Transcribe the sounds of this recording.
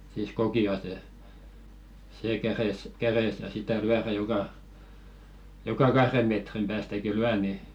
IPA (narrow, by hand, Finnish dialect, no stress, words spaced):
siːs kokiɑse seː kæres kæresæ sitæ lyæræ jokɑ jokɑ kɑhre metrim pæːstæki lyæ ni